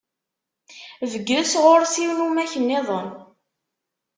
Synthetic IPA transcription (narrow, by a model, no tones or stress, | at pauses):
vəɡːɾəsʁoɾsiwnumæçənːɪðˤən